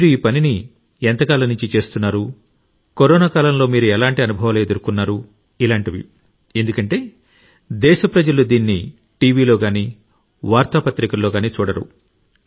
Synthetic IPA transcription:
miːɾuiːpɐnini | ɛnt̪ɐkaːlɐnuɲt͡ʃit͡ʃe̞ːst̪unːaːɾu | koɾɔːnaːkaːlɐmlo̞ːmiːɾuɛlaːɳʈiɐnubʱɐʋɐled̪ɐɾukunːaːɾu | ilaːɳʈiʋḭ | e̞nd̪ukɐɳʈe̞ː | d̪ɛːʃɐpɾɐd͡ʒɐlud̪iːnːi | ʈiːʋiːlo̞ːɡaːniː | ʋaːɾt̪aːpɐt̪ɾikɐlːo̞ːɡaːniːt͡ʃuːɽɐɾṵ

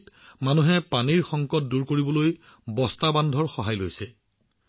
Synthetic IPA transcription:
tmanuɦɛpaniɹxɔŋkɔt̚duɹkoɹibɔloj | bɔstabandʱɔɹxɔɦajlojsɛ

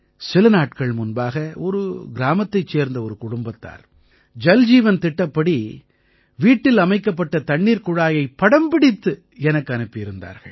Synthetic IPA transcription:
sɪlɯnaːʈkɐɭmʊnbaːɣɐɔɾɯɡɪɾaːmɐt̪ːɐɪt͡ʃːeːɾnd̪ɐɔɾɯkʊɽʊmbɐt̪ːa̰ːɾ | d͡ʒɐld͡ʒiːʋɐnt̪ɪʈːɐpːɐɽi | ʋiːʈːɪlɐmɐɪkːɐpːɐʈːɐt̪ɐɳːiːɾkʊɻaːjɐɪpːɐɽɐmbɪɽɪt̪ːɯ | ɛnɐkːɯɐnɯpːɪɪɾɯnd̪a̰ːɾɣɐ̰ɭ

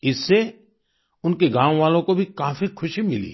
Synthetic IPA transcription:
ɪsːe | ʊnkeɡãːwʋaːlõkobʱikaːfixʰʊʃimɪlḭː

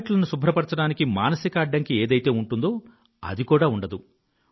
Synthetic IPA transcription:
ʈlɐnusubʱɾɐpɐɾt͡ʃɐɽaːnikimaːnɐsikɐːɖːɐŋkieːd̪ɐjt̪e̞ːuɳʈund̪o̞ː | ɐ̰d̪ikuːɽaːuɳɖɐd̪u

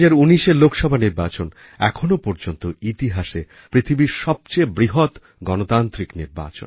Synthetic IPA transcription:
d͡ʑaɾuniʃelokʃɔbʱaniɾbat͡ɕon | ɛkʰonopɔɾd͡ʑont̪oit̪iɦaʃe | pɾit̪ʰibiɾʃɔb̚t͡ɕebɾiɦot̪ | ɡɔnot̪ant̪ɾikniɾba̰t͡ɕo̰n

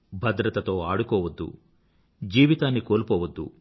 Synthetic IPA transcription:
bʱɐd̪ɾɐt̪ɐt̪o̞ːaːɽukɔːʋɐd̪ːṵ | d͡ʒiːʋit̪aːnːiko̞ːlpɔːʋɐd̪ːṵ

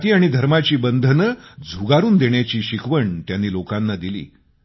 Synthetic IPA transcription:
t̪iːaɽ̃id̪ʱəɾmat͡ɕiːbənd̪ʱnəd͡zʱuɡaɾuːnd̪eɳjat͡ɕiːɕikʰʋəɳt̪janːiːlokanːad̪ilḭː

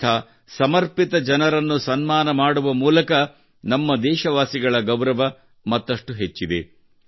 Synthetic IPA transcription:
ɐː | sɐmɐɾpit̪ɐd͡ʒɐnɐɾɐnːusɐnmaːnɐmaːɽuʋɐmuːlɐkɐ | nɐmːɐd̪ɛːʃɐʋaːsiɡɐɭɐɡɐwɾɐʋɐ | mɐt̪ːɐʂʈuɦet͡ʃːid̪ḛ

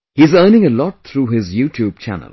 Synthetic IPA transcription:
hizəːnɪ̃ŋəlɔʈ̚t̪ʰɾuːɦɪzjuːtʰjuːb̚t͡ʃʰæ̰nə̰lˠ

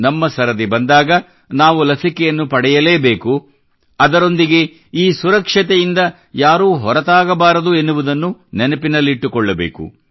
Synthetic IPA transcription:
nɐmːɐsɐɾɐd̪ibɐnd̪aːɡɐ | naːʋulɐsikɛjɐnːupɐɽɛjɐleːbeːku | ɐd̪ɐɾo̞nd̪iɡe̞ | iːsuɾɐkʂɐt̪̬ejind̪ɐ | jaːɾuːɦɔɾɐt̪aːɡɐbaːɾɐd̪uenːuʋud̪ɐnːunɛnɐpinɐlːiiʈːukɔɭːɐbeːkṵ

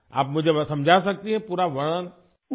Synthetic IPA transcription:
a̰ːpmʊd͡ʒʱesɐ̃md͡ʒʱas̬ɐk̚t̪iɦɛ̃puːɾaʋɐɽ̃ən

